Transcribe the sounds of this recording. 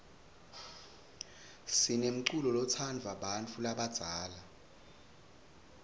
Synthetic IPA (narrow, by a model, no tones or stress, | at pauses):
sinem̩ǀulɔlɔt͡sʰanvʱaɓant͡fʰulaɓad̥z̥ʱaːla